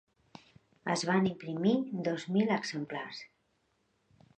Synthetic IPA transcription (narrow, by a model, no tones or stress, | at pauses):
ə̰zβanimpɾimid̪ɔzmiləɡzəmplars